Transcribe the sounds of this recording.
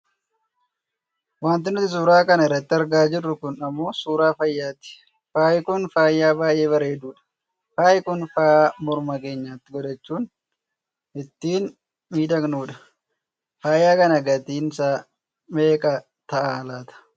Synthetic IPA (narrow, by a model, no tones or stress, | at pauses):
waːnt̪ɪnːʊt̪ːɪs̬uːɾaːkɐnɐɛrːɐt̪ːɪɐɾɡaːd͡ʒɪrːʊkʊnɐmːo̞ːsuːɾaːfɐjːaːt̪ɪ̥ | faːjɪkʊnfaːjːaːbaːjʔe̞ːβɐɾe̞ːd̪uːᶑɐ̥ | faːjɪkʊnfaːmɔɾmɐke̞ːɲːaːt̪ːɪɡɔd̪ɛt͡ʃːuːn | ʔɪt̪ːiːn | miːd̪ɐknuːᶑɐ̥ | faːjːaːkɐnɐɡɐt̪iːnsaː | me̞ːkʼɐ | t̪ɐʔaːlaːt̪ɐ̥